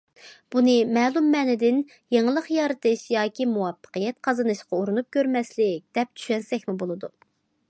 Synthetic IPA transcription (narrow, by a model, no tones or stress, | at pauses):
b̥unɨmɛːlˠumːɛːnɪd̪ɪn | jeŋlˠəqjɑɾɨt̪ɨʃjɑːkʲʰimuwɑpːə̥qəjɛt̪qʰɑzɨnɨʃqʰɑoɾunup̚kʲøɾmɛslɪk̚ʲd̪̥ɛp̚t͡ʃ̪ʰy̥ʃɛnsɛkʲmɪbolˠɨd̪u